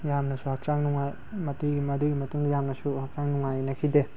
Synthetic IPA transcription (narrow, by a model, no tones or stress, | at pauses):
jamnɐsuhak̚t͡ʃaŋnuŋaj | mɐtuɡimɐdujɡimɐtuŋd̪ɐjamnɐsuhak̚t͡ʃaŋnuŋajnɐkʰide